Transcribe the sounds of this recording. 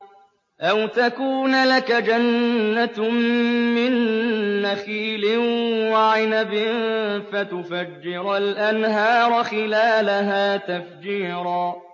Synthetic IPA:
ʔawt̪akuːnlakad͡ʒanːa | mɪnːaxiːlɪwaʕɪnabɪfat̪ʊfad͡ʒːɪɾalʔanɦɑːɾˤxɪlaːlaɦaːt̪afd͡ʒiːɾˤɑː

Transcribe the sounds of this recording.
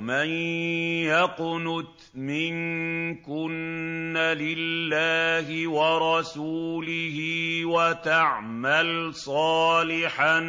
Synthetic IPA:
manjaqʊnʊt̪ | mɪŋkʊnːalɪlːaːhɪwɑɾˤɑsuːlɪhɪwat̪aʕ | malsˤɑːlɪħa

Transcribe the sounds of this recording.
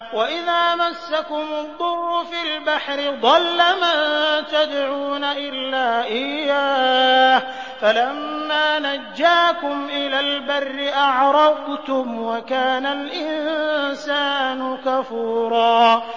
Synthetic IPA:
waʔɪðaːmasːakʊmʊd̪ˤːʊrːʊfilbaħɾɪðˤɑlːamaːt̪ad̪ʕuːnaʔɪlːaːʔɪjaːh | falamːaːnad͡ʒːaːkʊmʔɪlaːlbarːɪʔɑʕɾˤɑqt̪ʊmwakaːnalʔɪnsaːnʊkafuːɾˤɑː

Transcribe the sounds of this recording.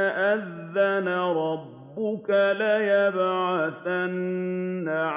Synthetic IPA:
ʔaðːanaɾˤɑbːʊkalajabaθanː | aʕ

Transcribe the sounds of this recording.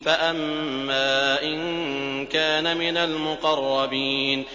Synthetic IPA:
faʔamːaːʔɪnkaːnamɪnalmʊqɑrˤːɑbiːn

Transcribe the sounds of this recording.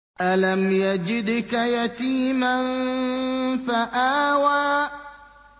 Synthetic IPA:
ʔalamjad͡ʒɪd̪kajat̪iːman | faʔaːwaː

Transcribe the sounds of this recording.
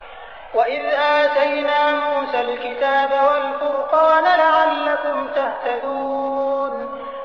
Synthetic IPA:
waʔɪðʔaːt̪ajnaːmuːsaːlkɪt̪aːbawalfʊɾqɑːnalaʕalːakʊmt̪aht̪ad̪uːn

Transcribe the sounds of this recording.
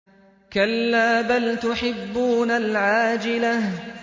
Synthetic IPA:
kalːaːbalt̪ʊħɪbːuːnalʕaːd͡ʒɪlah

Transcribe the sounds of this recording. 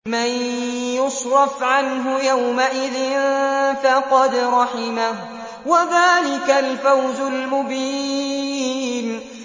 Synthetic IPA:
manjʊsɾˤɑfʕanɦʊjawmaʔɪðɪnfaqɑd̪ɾˤɑħɪmah | waðaːlɪkalfawzʊlmʊbiː | n

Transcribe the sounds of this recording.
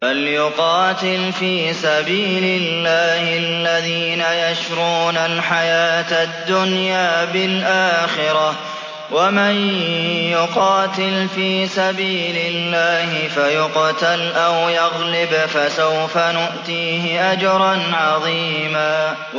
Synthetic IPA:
baljʊqɑːt̪ɪlfiːsabiːlɪlːaːhɪlːaðiːnajaʃɾuːnalħajaːt̪ad̪ːʊnjaːbɪlʔaːxɪɾɑ | wamanjjʊqɑːt̪ɪlfiːsabiːlɪlːaːhɪfajʊqt̪alʔawjɑɣlɪbfasawfanʊʔt̪iːɦɪʔad͡ʒɑɾˤɑnʕɑðˤiːmaː

